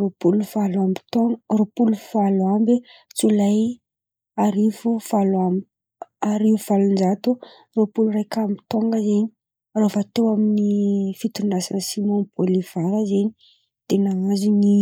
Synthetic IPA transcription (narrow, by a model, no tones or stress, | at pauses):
ropuluvalambi̥t̪oŋropulufaluambe | t͡sulaj | aɾifuvalwam | aɾiuv̥alund͡ʒat̪u | ropulurajkambi̥t̪oŋɡəzeɲi̥ | rovat̪ewaminifit̪unasiasimonpʰoliv̥aɾazeni | t̪enaazini